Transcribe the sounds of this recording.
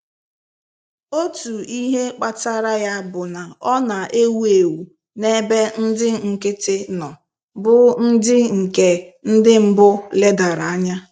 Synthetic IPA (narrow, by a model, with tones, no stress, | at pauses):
o˦tu˨i˦ɦe˦k͡pa˨ta˦ɾa˦ja˦bʊ˨na˨ɔ˦na˨ʔe˦wu˦e˨wu˨ | ne˦be˦n̩˦dɪ˦ŋ̩˨kɪ˦tɪ˦nɔ˨ | bʊ˦n̩˦dɪ˦ŋ̩˨ke˨n̩˦dɪ˦m̩˦bʊ˦le˦da˨ɾa˨a˦ɲa˦